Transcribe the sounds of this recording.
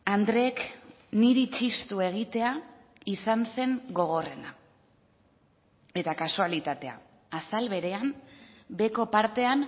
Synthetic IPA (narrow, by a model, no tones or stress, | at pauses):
and̪ɾe̞ːk | niɾit͡ʃist̪ue̞ɣ̞it̪e̞a | isanse̞ŋɡo̞ɣ̞o̞re̞na | e̞t̪akasualit̪at̪e̞a̰ | asalβe̞ɾe̞ambe̞ko̞paɾt̪e̞an